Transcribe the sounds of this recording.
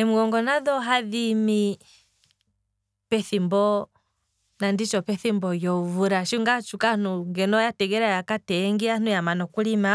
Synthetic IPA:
ɛmuɡɔŋɡɔnaðɔɦaðimi | pɛθimbɔ | nandit͡ʃɔpɛθimbɔjɔuvuɾaʃiŋɡat͡ʃukanuŋɡɛnɔjatɛɡɛɾajakatɛŋɡian̥ujamanɔkulima

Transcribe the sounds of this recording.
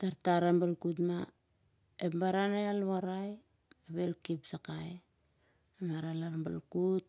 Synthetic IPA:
taɾtaɾambalkut̬ma | epmbaɾanajalβaɾaj | aβelkipsakaj | amaɾalaɾmba̰lkut̚

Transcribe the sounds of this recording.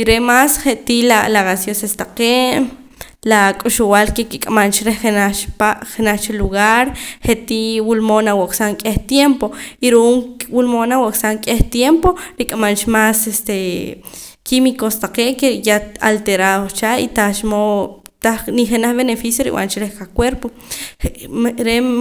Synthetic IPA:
iɾemasχeʔt̪ilalaɣasjosest̪aqeʔ | lakʼuʃuwalkekikʼamant͡ʃɾeχχenat͡ʃpaʔχenaχt͡ʃeluɣaɾχeʔt̪iwulmonawoʔkʼsaŋkʼeht̪jempoiɾuʔuːŋwulmonawoʔkʼsaŋkʼeht̪jempoɾikʼamant͡ʃmasest̪e | kimikost̪aqeːʔkejaa̰lt̪eɾaðost͡ʃait̪at͡ʃmo | t̪aniχenaχβenefisjoɾḭwʔa̰nt͡ʃɾehkakweɾpo | ɾe

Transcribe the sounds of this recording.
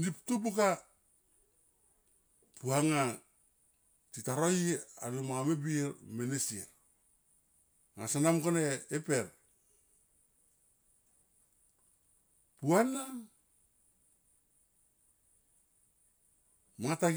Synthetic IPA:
niptupuka | puaŋa | titaɾoja̰nomamebiɾmenesiɾ | ŋasanamkoneːpeɾ | puana | maata

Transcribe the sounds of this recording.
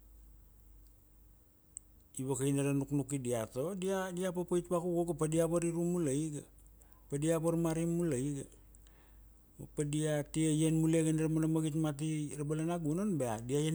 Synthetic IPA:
iβakainaɾanuknukidiatodiadiapapaitpakuɡoɡapadiapaɾiɾumulajɡa | padiapaɾmaɾimːulajiɡa | mapadiatiejenmuleɡanaɾamanamaɡitmat̬iɾabalanaɡunonbeadiaje

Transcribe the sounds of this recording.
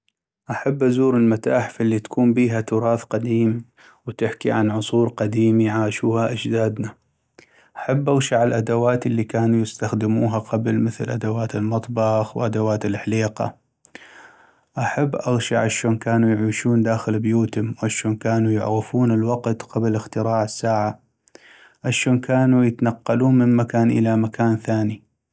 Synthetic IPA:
ʔaħabːʔazuːɾɪlmat̪aːħfʔɪlːit̪ḁkʰuːmbiːɦat̪ʊɾˤɑːθqad̪iːm | wt̪ɪħkiʕanʕʊsˤuːɾqad̪iːmiʕaːʃuːhaʔad͡ʒd̪aːd̪na | ʔaħabːʔaɣʃaʕalʔad̪awaːt̪ɪlːikaːnujɪst̪axd̪ɪmuːɦaqɑblmɪθlʔad̪awaːt̪ɪlmɑt̪ˤbɑxwʔad̪awaːt̪ɪlħaliːqɑ̰ | ʔaħabːʔaɣʃaʕʔaʃoːnkaːnujʕiːʃuːnd̪aːxɪlbjuːt̪ʊmwʕaʃoːnkaːnujʊ̰ʕɾɪfuːnɪlwɑqt̪qɑblɪxt̪ɪɾɑːʕɪsːaːʕa | ʔaʃoːnkaːnujɪt̪nɑqːɑluːnmɪmmakaːnʔɪ̰lamakaːnθaːni

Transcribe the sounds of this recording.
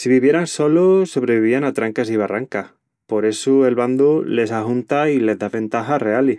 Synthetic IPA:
siβiβje̞ɾanso̞loso̞βɾe̞βiβianat̪ɾaŋkasiβaraŋkah | po̞ɾe̞sue̞lβand̪ule̞sahunt̪aile̞zðaβẽ̞nt̪axare̞ali

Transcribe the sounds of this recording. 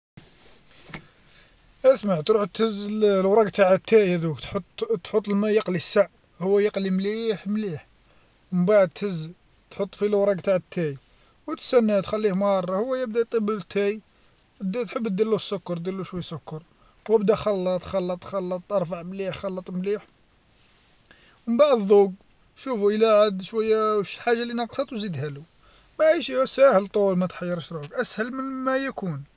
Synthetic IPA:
ʔæsmaʕt̪ɾuħt̪həzːllwɾˤɑɡt̪aʕt̪ʰːææd̪uk̪t̪t̪ħot̪ˤːlmæjəqlisaʕ | hʊwːæjəqlimliħmliħ | mbaʕəd̪̚t̪həzː | t̪ħot̪ˤːfilwɾˤɑɡt̪aʕt̪ʰːæj | wət̪sænːæt̪xælːihmɑrˤːɑhʊwːæjəb̚d̪æt̪ˤəbələt̪ʰːæj | d̪t̪ħəbːt̪̚d̪ːəlːusːʊkːɑɾt̪d̪əlːuʃwæjːsʊkːɑɾˤ | wəbd̪æxɑlːət̪ˤxɑlːət̪ˤxɑlːət̪ˤɑɾˤfɑʕmliħxɑlːət̪ˤmliħ | wəbaʕd̪ðˤuɡ | ʃufuʔəlæʕad̪ʃwæjːæʃħaʒːalinɑqsˤɑt̪ˤwzid̪hælu | mæʕiʃæsæhəlt̪ˤulmæt̪ħɑjːəɾˤəʃɾˤuəkʔæshəlmənmæjækun

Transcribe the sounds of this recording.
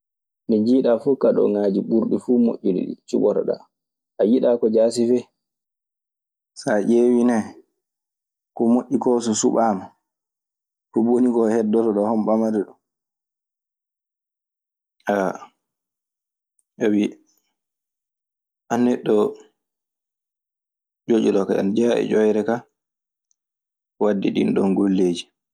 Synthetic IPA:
niɲd͡ʒiːɗafukaɗɔ̰ŋaːd͡ʒiɓuɾɗifuːmo̰ʔːuɗḭɗḭt͡ʃuɓɔɾ̰ɗa̰ | ʔajiɗakɔd͡ʒaːsifɛ | saʔewinɛ | kɔmoʔʲːikɔs̬ɔsuɓama | kuboniɡɔhɛdːɔtɔɗɔhɔmɓamaɾɛɗɔ | ʔa | ʔawi | ʔanːɛɗːɔ | d͡ʒod͡ʒuɗɔkaa̰nd͡ʒaʔɛ̰d͡ʒɔjɾɛka | wadːḭɗḭnɗɔnɡolːeːd͡ʒi

